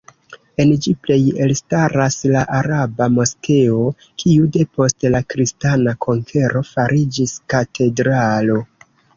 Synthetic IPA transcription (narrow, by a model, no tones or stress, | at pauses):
e̞nd͡ʒiple̞jelstaɾaslaʔaɾabamo̞ske̞o | kʰiude̞po̞stlakɾistanakʰo̞ŋkʰe̞ɾo̞faɾid͡ʒiskatʰe̞dɾalo̞